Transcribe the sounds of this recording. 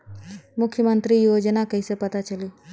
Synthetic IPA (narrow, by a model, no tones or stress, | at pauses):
mʊkʰːjəmənt̪ɾijoːd͡ʒənakəisepət̪at͡ʃəliː